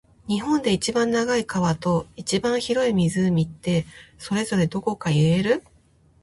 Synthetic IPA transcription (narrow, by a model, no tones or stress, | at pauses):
ɲ̟iɦõ̞nd̪e̞it͡ɕibãnːaɡaikaβat̪o̞it͡ɕibãɰ̃çiɾo̞imʲizɨmʲit̪ːe̞so̞ɾe̞zo̞ɾe̞d̪o̞ko̞kaiɾe̞ɾɯ̟